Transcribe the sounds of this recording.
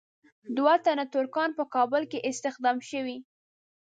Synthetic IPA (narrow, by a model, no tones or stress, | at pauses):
d̪wat̪anat̪ʊɾkɑnpəkɑbəlkeʔɪst̪ɪxd̪ɑmʃəwi